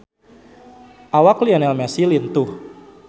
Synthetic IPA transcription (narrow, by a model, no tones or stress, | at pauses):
ʔawaklianɛlmasilint̪ʊh